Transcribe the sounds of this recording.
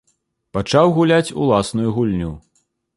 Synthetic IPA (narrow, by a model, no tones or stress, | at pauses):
pat͡ʂawɣulʲat͡sʲṵlˠasnujuɣulʲnʲu